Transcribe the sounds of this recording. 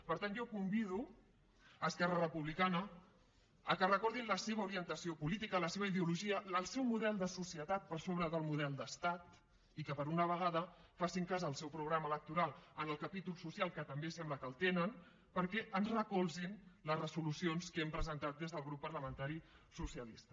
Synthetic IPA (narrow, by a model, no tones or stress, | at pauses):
pəɾt̪anʒokumbiðu | əskɛrərəpuβlikanə | əkərəkɔɾðinləseβ̞əuɾiənt̪əsiopulit̪ikələseβ̞əiðeuluʒiəəlˠsɛwmuðɛlˠd̪əsusijət̪at̪̚pəɾsoβɾəðəlˠmuðɛlˠd̪əst̪at̪ | ikəpəɾunəβ̞əɣaðəfasiŋkazəːlˠsɛwpɾuɣ̞ɾamələk̚t̪uɾalˠənəlˠkəpit̪ulˠsusialˠkət̪əmbesɛmbləkəlˠt̪enən | pəɾkɛʔənzrəkɔlˠzinləzrəzulusionskɛmpɾəzənt̪at̪̚d̪ezðəlˠɣɾupːərləmə̃nt̪aɾisusiəlist̪ə